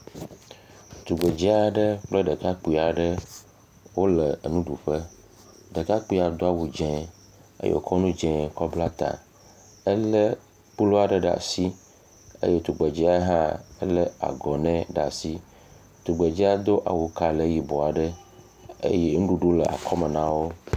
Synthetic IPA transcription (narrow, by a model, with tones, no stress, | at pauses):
t̪u˨ɡ͡be˨d͡ʒi˦a˨ɖə˦k͡plə˦ɖə˨ka˦k͡pi˨a˨ɖə˦ | wo˦lə˨nũ˦ɖu˨ɸə˦ | ɖə˨ka˦k͡pi˦a˨d̪o˦a˦wu˨d͡ʒɛ̃˨ | ḛ˦jḛ˦˨o̰˨kɔ˦nũ˦d͡ʒɛ̃˨kɔ˦bla˦t̪ã̰˨ | ə˦lə˦ | k͡pu˦lo˦a˨ɖə˦ɖa̰˨si˦ | ḛ˦je˦t̪u˨ɡ͡be˨d͡ʒi˦a˦ɦã˦ə˦lə˦a̰˨ɡɔ˨nɛ̃˦ɖa̰˨si˦ | t̪u˨ɡ͡be˨d͡ʒi˦a˦d̪o˦ʔa̰˨wu˨ka˨le˦ji˨bo˨a˨ɖə˦ | ḛ˦je˦ŋũ˦ɖu˨ɖu˦lə˨ʔa̰˨kʰɔ˦me˨nã˦wo˦